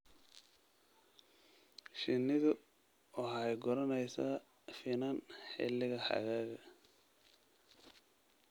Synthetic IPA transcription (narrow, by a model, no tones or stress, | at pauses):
ʃɪnɪðʊ | ɔħɑjɡɔɾɐnɛjsaː | fɪnanħɪ̰lɪɣɐħɑ̰ɣaːɣɐ